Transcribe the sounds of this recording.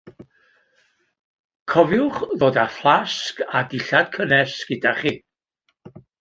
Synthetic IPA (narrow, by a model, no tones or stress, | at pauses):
kʰɔvjʊχðoːdaflˠaskadɪɬad̥kʰənɛsɡ̥ɪdaχiː